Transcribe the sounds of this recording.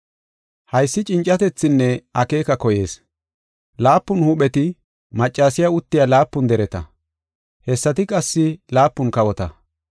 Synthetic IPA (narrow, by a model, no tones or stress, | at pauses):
hɐjsːɪt͡ʃʼɪnt͡ʃʼːɐt̪ɛt͡sːɪnːɛɐke̞ːkɐkɔje̞̰ːs | laːpːʊnhʊɓɛt̪ɪ | mɐt͡ʃʼːaːsɪjaʊt̪ːɪjaːlaːpːʊnd̪ɛɾɛt̪ɐ̰ | hɛsːɐt̪ɪkʼɐsːɪlaːpːʊnkɐwɔt̪ɐ